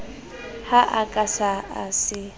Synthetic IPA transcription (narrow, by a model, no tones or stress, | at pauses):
haʔakʼasaasɪ